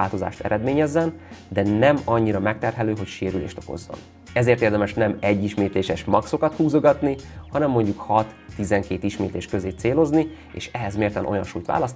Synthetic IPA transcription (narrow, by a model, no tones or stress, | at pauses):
aːlt̪o̞za̰ːʃt̪ɛ̰ɾʔɛd̪meːɲɛzːɛnd̪ɛnɛmɒɲːiɾɒmɛk̚t̪ɛrɦɛløːɦo̞cʃeːɾyleːʃt̪o̞̰ko̞̰zːo̰n | ɛzeːrt̪eːrd̪ɛmɛʃnɛmɛɟːiʃmeːt̪leːʃɛʃmɒkso̞kɒt̪huːzoɡɒt̪nihɒnɛmːo̞ɲɟukhɒt̪ːizɛŋkeːt̪iʃmeːt̪eːʃkøzeːt̪seːlo̞zni | ḛːʃɛɦɛzmeːrt̪ɛnʔo̞jɒ̰nʃṵːjt̪ʋa̰ːlɒst̪